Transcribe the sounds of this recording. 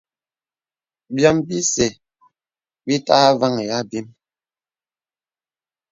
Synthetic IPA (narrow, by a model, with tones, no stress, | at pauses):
bjɔ˦˨mbi˦se˨ | bi˦ta˦va˦ŋe˨ja˦bi˦m